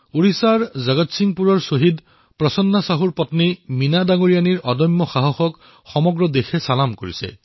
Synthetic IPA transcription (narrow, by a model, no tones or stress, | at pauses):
uɹisaɹzaɡɔtsiŋpuɹɔɹsoɦid | pɹɔsɔnːasaɦuɹpɔtniminadaŋoɹijaniɹɔdɔjmːɔxaɦɔxɔk | xɔmɔɡɹɔdexɛsalamkoɹisɛ̰